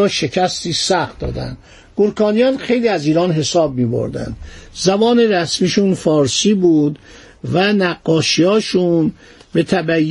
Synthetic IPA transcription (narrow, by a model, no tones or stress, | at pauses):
ɒːʃe̞cʰæst̪iːsæxt̪̚d̪ɒ̰ːd̪æ̰nd̪ | ɡ̥oɾkʰɒːnijɒːnxe̞jliːæziːɾɒːnɦe̞sɒːb̚miːbo̰ɾd̪æ̰nd̪zæbɒːneɾæsmiːʃunfɒːɾsiːbuːd̪ | vænæɡːɒːʃiɒːʃun | be̞t̪ʰæbæjː